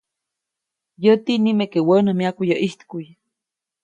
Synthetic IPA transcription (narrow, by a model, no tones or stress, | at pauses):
jət̪inimekewənəmiakujəʔiht̪kujə